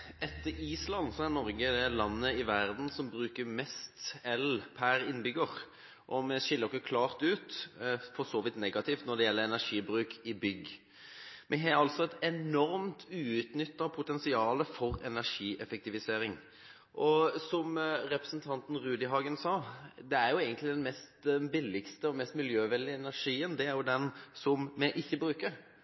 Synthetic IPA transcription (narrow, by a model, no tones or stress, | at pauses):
ʔɛt̪ːəɾiːslɑnːsɔæɾnɔɾɡəd̪ɛlɑnːəɪʋæʁd̪n̩sɔmbɾʉːkəɾmɛst̪ɛlpʰæɾɪnbʏɡəɾ | ʔɔmɛʃɪlːəɾɪkːəkʰlɑːɾt̪ʉːt̪fɔsoːʋɪt̪nɛɡɑt̪ɪft̪nɔɖ̪ɛjɛlːəɛnæʂiːbɾʉːkʰɪbʏɡ | mʔɛɦɛɾɑlt̪sɔɛt̪ɛnɔɾmt̪ʰʉːʉt̪nʏt̪ːɑpʰʊt̪ɛnsɪɑːləfɔʁɛ̰næʁʂiːʔɛfɛkt̪ɪʋɪseːɾɪŋ | ʔɔsɔmɾɛpɾəsnt̪ʰɑnt̪n̩ɾʉːd̪ɪɦɑːɡənsɑːd̪ɛæɾjʊeːɡənt̪lɪd̪ɛnmɛst̪bɪlːɪkst̪əɔmɛst̪mɪljøːʋɛld̪ɪɛnæɾʂiːənd̪ɛæɾjʊd̪ɛnsɔmmɛʔɪçːəbɾʉːkəɾ